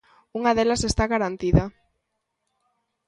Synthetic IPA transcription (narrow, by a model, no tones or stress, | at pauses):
uŋaðelasest̪aɣaɾant̪iða